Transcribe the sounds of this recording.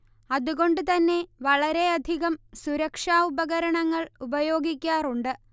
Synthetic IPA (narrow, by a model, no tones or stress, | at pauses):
ɐðuɣo̞ɳɖɨt̪ɐnːe̞ʋɐɭɐɾe̞ɐd̪ʱiɣɐmsuɾɐkʂaːubɐɣɐɾɐɳɐŋːɐɭubɐjo̞ːɡikʲːaːruɳɖɨ